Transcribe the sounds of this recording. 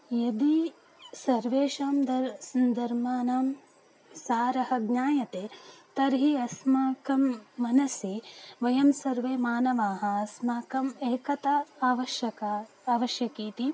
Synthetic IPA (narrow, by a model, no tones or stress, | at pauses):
jɐd̪i | sɐɾʋeːʃaːmd̪ɐɐnd̪ɐɾmaːnaːm | saːɾɐɦɐɡɲaːjɐt̪eːt̪ɐɾɦiɐsmaːkɐmːɐnɐsiʋɐjɐmsɐɾʋeːmaːnɐʋaːɦɐ̆ɐsmaːkɐmeːkɐt̪ɐaːʋɐʃjɐka | aːʋɐʃjɐkiːt̪i